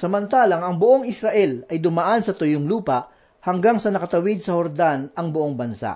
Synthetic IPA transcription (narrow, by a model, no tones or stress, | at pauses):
sɐmɐnt̪aːlɐŋɐŋbʊʔoŋɪsɾaʔɛlɐjd̪ʊmaʔansɐt̪ʊjoŋluːpɐʔ | hɐŋɡaŋsɐnɐkɐt̪ɐwɪd̪̚sɐhoɾd̪anɐŋbʊʔoŋbɐnsa̰ʔ